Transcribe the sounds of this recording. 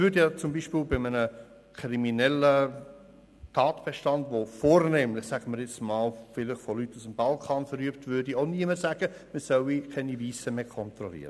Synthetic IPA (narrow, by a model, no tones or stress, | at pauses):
ʋʏɾdɛjɑt͡sʊmbiːʃpiːlbɪmənə | kʰɾiminɛlə | tʰɑːtb̥ɛʃtɑndʋofoːɾneːmlɪχsæɡ̥əməɾjɛt͡smɑːlfɪlɪχfolytːusəmb̥ɑlkʰɑːnfəɾyəptvʏɾdioʊniəməsæɡ̥ə | məsœwikʰɛniviːsəmeːkʰɔnt̪ɾɔlḭːɾə